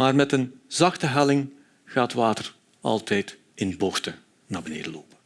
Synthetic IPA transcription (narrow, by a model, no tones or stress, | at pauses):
maːrmɛtənzɑxtəɦɛlɪŋ | ɣaːtʋaːtər | ɑ̰lˠtʰɛjt | ɪnbɔxtə | naːbənḛːdəloːpə